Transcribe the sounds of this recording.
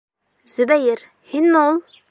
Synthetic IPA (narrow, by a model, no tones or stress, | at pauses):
z̥ɵ̆bæjɘɾ | hinmɘulˠ